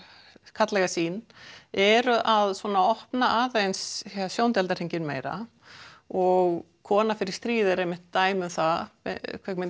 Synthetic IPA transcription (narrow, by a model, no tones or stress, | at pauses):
kʰat̪lɛɣasiːnɛɾʏʔaðswɔːnaɔhpnaʔaːðejnshɛsjoːwnt̪ɛlt̪aɾeɲcɪnmeːjɾa̰ | ɔɣ | kʰɔːnafɪɾɪ̥st̪ɾiːðɪɾejmːɪht̪ːaːjmʏmθa̰kʰvɛkmɛ